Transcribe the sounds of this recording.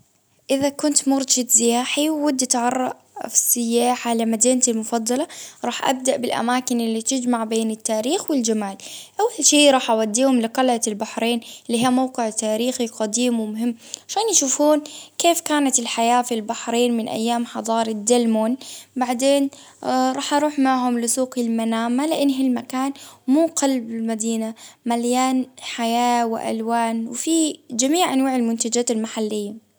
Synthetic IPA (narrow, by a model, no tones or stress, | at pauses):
ʔɪðakʊnt̪mʊɾˤd͡ʒat̪zɪaaːħiwwɪd̪ːat̪ʕɑrˤːɑ̰ʔ | fsɪjːaːħalɪmad̪iːnt̪almʊfɑd̪ˤːɑlɑɾˤɑːħʔa̰b̚d̪aʔbɪlʔa̰maːkɪnɪlːit̪ɪd͡ʒmaʕbeːnɪt̪ːaːɾiːxwɪld͡ʒamaːlʔawːalʃiːɾˤɑːħʔawad̪ːiːhʊmlɪqɑlʕaɪlbaħɾeːnɪlːiːɦiːmawqɪʕt̪aːɾiːxiqad̪iːmwɪmʊɦɪmːʕaʃaːnjaʃuːfuːnkeːfkaːnat̪ɪlħajaːfilbaħɾiːnmɪnʔa̰jːaːmħɑd̪ˤɑːɾˤɪd̪ːalmoːnbaʕd̪eːn | ɾˤɑːħʔɑɾˤuːħmaʕɦʊmlɪsuːqɪlmanaːmalɪʔɪnːɦɪlmakaːnmuːqalbɪlmad̪iːnamaljaːnħajaːwɪ̰ʔa̰lwaːnwɪfid͡ʒamiːʕʔanwaːʕɪlmʊnt̪ad͡ʒaːt̪ɪlmaħalːɪjːa